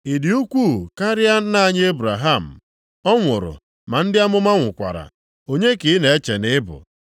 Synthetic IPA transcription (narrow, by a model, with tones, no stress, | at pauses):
i˨di˨u˦kʷu˦˨ka˦ɾɪ˦a˦na˦˨ɲ˦e˦bɾa˨ɦa˦˨m̩˨ | ɔ˦ŋʷʊ˨ɾʊ̰˨ | ma˨n̩˦dɪ˦a˦mʊ˦ma˦ŋʷʊ˨kʷa̰˨ɾa̰˨ | o˨ɲe˦kɪ˨˦ne˨e˦t͡ʃe˨nɪ˦bʊ̰˨